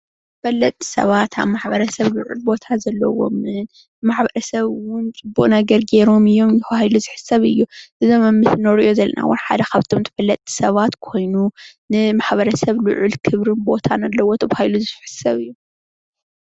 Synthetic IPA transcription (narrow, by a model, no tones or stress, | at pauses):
t̪ɨfɐlːɐt̪ʼʰːi̥sɐ̰βat̪ʰa̰βmaħbɐɾɐsɐβlʊʕṵlbo̞t̪ʰazɐlːɐ̰wo̞̰mɨn | maħbɐɾɐsɐβwʊnt͡sʼɨbːukʼnɐɡɐɾɡe̞ɾo̞mɨjːo̞mjɪxahajluzɨħɨ̥sɐβɨjːuʔɨzomɐmːɨsnoɾɨʔo̞zɐlːɐ̰na̰wʊ̰nħa̰d̪ɐkʰaβt̪ʰo̞mt̪ʰɨ̥fɐlːɐt̪ʼʰːi̥sɐβat̪kʰo̞jnunɨmaħbɐɾɐsɐβlɨ̰ʕʊlkʰɨβɾɨnbo̞t̪ʰanalːɐwo̞t̪ʰɐβhajluzɨfħɨ̥sɐβɨjːu